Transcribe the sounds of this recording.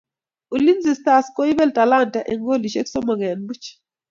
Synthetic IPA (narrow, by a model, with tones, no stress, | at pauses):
u˨li˦nzi˨sta˨sko˦i˦bɛ˦ltʼa˨la˦˨ntʼa˨ʔɛ˨ŋɡo˦˨li˨ʃe˦ksɔ˦mɔ˨ɣɛ˨nbu˦t͡ʃ